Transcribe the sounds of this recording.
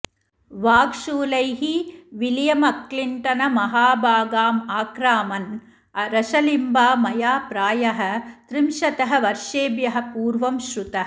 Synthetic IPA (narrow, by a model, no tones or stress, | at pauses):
ʋaːkʂuːlɐjɦiʋiljɐmɐkliɳʈɐnɐmɐɦaːbʱaːɡaːmaːkɾaːmɐn | ɐɾɐʃɐlimbaːmɐjaːpɾaːjɐɦɐ̆t̪ɾimʃɐt̪ɐɦɐ̆ʋɐɾʂeːbjɐɦɐ̆puːɾʋɐmʃɾut̪ɐɦ